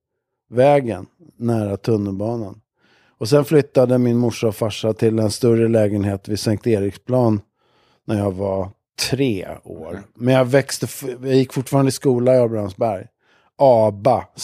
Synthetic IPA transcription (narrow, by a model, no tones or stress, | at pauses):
vɛːɡənː | æːɾat̪ʰɵnːəlbɑːnan | ɔsɛnflʏt̪ːad̪əmɪnmʊʂːaɔfaʂːat̪ʰɪlɛnst̪ɵɾəlɛːɡənheːt̪vɪsɛŋk̚t̪eːɾɪkspʰlɑːnː | æɾjɑːɡva | t̪ʰɾeːo̰ːɾmɛnjɑvɛkst̪əjɑjɪkːfʊʈfɑːɾand̪əɪskuːlaɪabansbæɾj | ʔɑːba